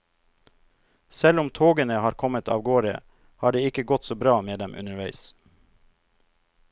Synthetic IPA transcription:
sɛlʊmt̪ʰoːɡənəhɑːɾkʰɔmət̪ʰɑ̰ːʋɡoːɾə̰ | hɑːɖeːɪkəɡɔt̪soːbɾɑːmeːd̪ɛmʔʉ̰nəɾʋæɪs

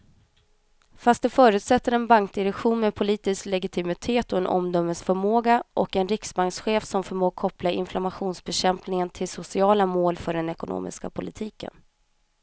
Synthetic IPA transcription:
fast̪̚d̪ɵfœːɾʉ̟ːt̪sɛt̪ːəɾɛnbaŋk̚d̪ɪɾɛkɧuːnmɛpʰʊliːt̪ɪsklɛɡɪt̪ʰɪmɪt̪ʰeːt̪ɔɛnʔɔ̰md̪œmːəsfœɾmoːɡaʔɔkɛnɾɪksbaŋksɧeːfsɔmfœɾmoːɡ̚kʰɔplaɪ̰nflamaɧuːnsbɛɕɛmpnɪŋənt̪ʰɪlsʊsɪɑːlamoːlfœɖɛnɛkʊnʔo̰ːmɪ̰ska̰pʰʊlɪt̪ʰiːkə̰n

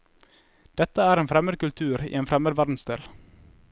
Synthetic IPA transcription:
d̪̥ɛt̪əæːɾeːnfɾɛməd̪̚kʉlt̪ʰʉːɾḭːeːnfɾɛməd̪ʋæɾd̪n̩sd̪ḛːl

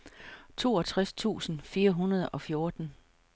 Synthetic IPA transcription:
t͡sʰo̝̰ːɒ̽t͡sʰʁast͡sʰṵːsn̩fiːɐɦunɐð̞ˠɒ̽fjo̝ɐd̥n̩

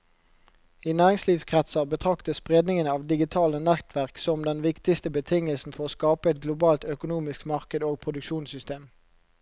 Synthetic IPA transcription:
iːnæːʁɪŋsliːʋskʰʁɛt̪sɑbət̪ʰʁɑkt̪əsspʁeːd̪nɪŋənɑːʋd̪ɪɡɪt̪ʰɑːlənɛt̪ʰʋæʁksɔmd̪ɛnʋɪkt̪ɪst̪əbət̪ʰɪŋəlsn̩fɔʁoːskɑːpəɛt̪̚ɡlʊbɑːlt̪œkʊnuːmɪskmɑʁkəd̪oːɡ̚pʰʁʊd̪ʉkʃuːnsʏst̪eːm

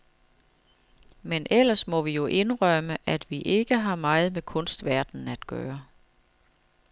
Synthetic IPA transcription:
menʔel̰ɐsmɒ̽ʋijo̝ʔe̝nʁɶməʔæd̥ʋiʔe̝ɡ̥əɦɑ̈mɑ̈ːɪð̩ˠmekʰɔ̽nsd̥ʋæɐd̥n̩æd̥ɡ̥œ̰ːɐ

